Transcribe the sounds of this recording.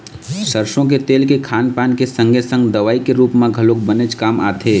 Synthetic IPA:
səɾʃõk̬et̪eːlkekʰaːnpaːnkesə̃ŋɡʱesə̃ŋɡd̪əʋaːikeɾuːpmãɡʱəlok̚bənet͡ʃkaːma̰ːt̪ʰeː

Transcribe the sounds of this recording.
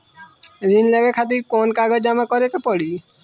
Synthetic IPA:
ɾinleɡekʰat̪iɾkonkaɡɔd͡ʒamakɔɾekapɔɽi

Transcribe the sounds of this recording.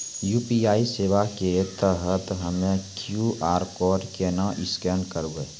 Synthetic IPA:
juːpiaːiseːʋaket̪əɦət̪ɦəmẽkjuʔaːɾkɔːɖkenaʔɪskɛːɳkəɾueː

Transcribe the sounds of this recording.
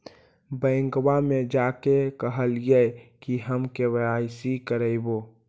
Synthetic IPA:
bə̃ɪŋɡwamed͡ʒakekəɦəlijɛkiɦəmkebɾajsikəɾəɪbo

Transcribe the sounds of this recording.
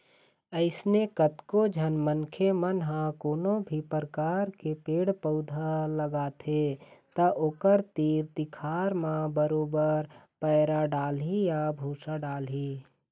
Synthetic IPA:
əɪsnekət̪kod͡ʒʱənmənkʰemənɦãkoːnobʱipəɾəkaːɾkepeːɽpəʊd̪ʱaləɡaːt̪ʰet̪əʔoːkəɾt̪iːɾt̪ikʰaːɾmãbəɾoːbəɾpəːɾaɖaːlɦijabʱuːsaɖaːlɦiː

